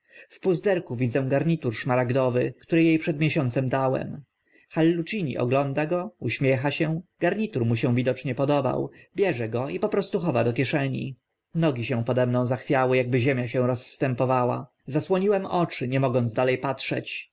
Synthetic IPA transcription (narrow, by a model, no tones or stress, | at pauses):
fpuzd̪ɛɾkuvʲid̪zɛw̃ɡaɾɲit̪uɾʂmaɾaɡd̪ɔvɘkt̪uɾɘjejpʂɛd̪mʲɛɕɔnt̪sɛmd̪awɛ̰m | xalːut͡ʂiɲḭʔɔ̰ɡlɔnd̪aɡɔuɕmʲjɛxaɕɛ̃ɡaɾɲit̪uɾmuɕɛ̃w̃vʲid̪ɔt͡ʂɲɛpɔd̪ɔba̰wbʲjɛʐɛɡɔipɔpɾɔst̪uxɔvad̪ɔkʲjɛʂɛɲḭ | nɔɡʲiɕɛ̃w̃pɔd̪ɛmnɔ̃w̃zaxfʲjawɘjaɡ̚bɘʑemʲjaɕɛ̃w̃ɾɔsːt̪ɛmpɔvawa̰ | zaswɔɲiwɛmɔt͡ʂɘɲɛmɔɡɔnd̪zd̪alɛjpatʂɛ̰t͡ɕ